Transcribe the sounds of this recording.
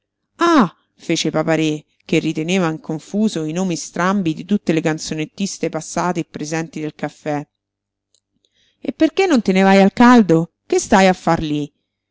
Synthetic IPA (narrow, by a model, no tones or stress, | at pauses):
a | feːt͡ʃepapaɾe | k̟erːit̪eneːvaiŋkoɱfuːzoinoːmist̪ɾambid̪it̪ut̪ːelekant̪sonet̪ːist̪epasːaːt̪eːpːɾezɛnt̪id̪elkafːɛ | ḛpːerkenːont̪enevajalkald̪o | kest̪ajafːarli